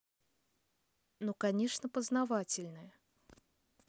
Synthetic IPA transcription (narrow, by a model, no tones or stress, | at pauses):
nukanʲɛʂnəpəznavat͡sʲɪlʲnɨjə